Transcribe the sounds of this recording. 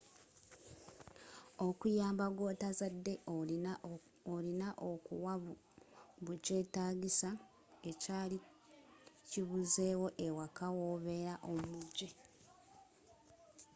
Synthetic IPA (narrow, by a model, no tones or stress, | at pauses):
okujaːmbaɡwo̞ːtazadːe̞ | olinaʔokuwaβu | βuce̞ːtaːɡisa | e̞caːli | ciβuze̞ːwo̞ʔe̞wakawoːβe̞ːɾaʔomuɟːe